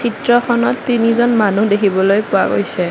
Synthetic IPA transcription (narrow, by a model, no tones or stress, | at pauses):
sitɹɔxʰɔnɔtːinizɔnmanudekʰibɔlojpʊa̰ɡo̰jsɛ